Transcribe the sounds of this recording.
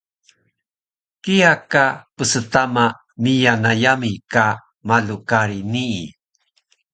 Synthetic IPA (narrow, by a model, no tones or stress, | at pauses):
kijakapəsətama | mijanajamika | malukaɾinḭː